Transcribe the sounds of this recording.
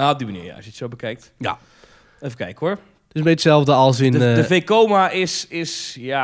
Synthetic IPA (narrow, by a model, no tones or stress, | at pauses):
aɔb̚dimənḭːja̰ɑ̰sjətsowbəkɛjk̚tja̰ | efəkɛjkəʊɹ | tɪsbɛjtsɛlˠvdəɔlˠsɪndəvejkoːmaɪsɪsja